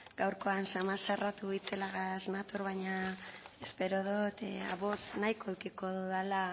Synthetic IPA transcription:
ɡ̥awɾko̞ansamasarat̪uit͡se̞laɣaznat̪oɾβajɲaespe̞ɾo̞ð̞ot̪a̰βo̞t͡snajko̞ukiko̞ðuðala

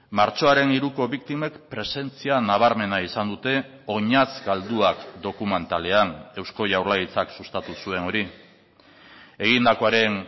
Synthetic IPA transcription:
maɾt͡ʃo̞aɾe̞niɾuko̞βikt̪imekpɾe̞se̞nt͡sianaβ̞aɾme̞naisand̪ut̪e̞ | o̞ɲazɡald̪uakd̪o̞kume̞nt̪ale̞ane̞wsko̞ʝawɾlaɣit͡saksust̪at̪usue̞no̞ɾi | e̞ɣ̞ind̪ako̞aɾe̞n

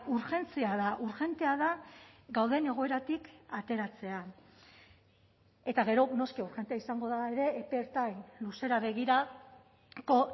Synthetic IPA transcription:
uɾxe̞nt͡siaðaʔuɾxe̞nt̪e̞aðaɡawðe̞ne̞ɣ̞o̞e̞ɾat̪ikat̪e̞ɾat͡se̞a | e̞t̪aɣ̞e̞ɾo̞no̞skiuɾxent̪eaisaŋɡo̞ðaeɾe̞ːpe̞eɾt̪ajnluse̞ɾaβe̞ɣiɾa | ko̞

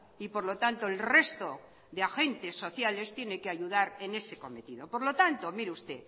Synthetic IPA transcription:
ipo̞ɾlo̞t̪ant̪oelre̞st̪o | ðeaxe̞nt̪e̞sːo̞θjale̞st̪je̞nekeaʝuðaɾe̞ne̞se̞ko̞me̞t̪iðo̞po̞ɾlo̞t̪ant̪omiɾeust̪e̞

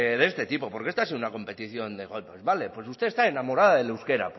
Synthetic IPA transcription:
ðest̪e̞t̪ipo̞po̞ɾke̞st̪asiunako̞mpe̞t̪iθjo̞nd̪eɣo̞lpezβale̞pwe̞sust̪eːst̪aenamo̞ɾaðaðelewske̞ɾa̰p

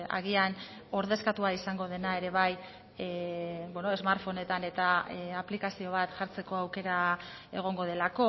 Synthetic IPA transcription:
a̰ɣian | o̞ɾðe̞skat̪uaisaŋɡo̞ð̞e̞nae̞ɾe̞β̞aj | bweno̞ezmaɾfo̞ne̞t̪ane̞t̪aaplikasio̞β̞at̪ʝaɾt͡se̞ko̞awke̞ɾa | e̞̰ɣ̞o̞ŋɡo̞ð̞e̞lako̞

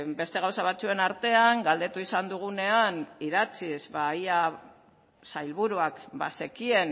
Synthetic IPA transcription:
be̞st̪e̞ɣ̞awsaβ̞at͡sue̞naɾt̪e̞aŋɡald̪e̞t̪uisand̪uɣ̞une̞aniðat͡sizβaja | sajlβuɾuakba̰se̞kie̞n

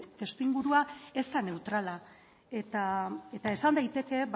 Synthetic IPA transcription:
t̪e̞st̪iŋɡuɾuae̞st̪ane̞wt̪ɾala | e̞t̪ae̞t̪ae̞sand̪ajt̪e̞ke̞b

